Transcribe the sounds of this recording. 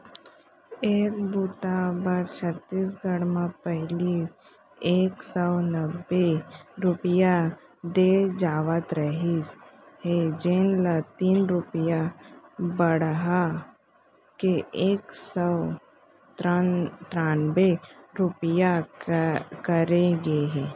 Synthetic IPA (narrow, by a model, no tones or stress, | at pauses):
eːk̚buːt̪abəɾt͡ʃʰət̪ːiːsɡəɽmãpɛɦɪli | eːksəwnəbːeɾʊpɪja | d̪ed͡ʒaːʋət̪ɾəɦished͡ʒenlat̪iːnɾʊpija | bəɽɦa | keeːksəw | ʈ̪ɾaːnbeɾʊpija | kəɾeɡeɦɛ̃ː